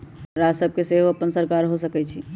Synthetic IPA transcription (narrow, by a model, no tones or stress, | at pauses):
ɾad͡ʒsəb̚ʱkeseʋəpənsəɾkaːɾɦosəkɛt͡ʃʰi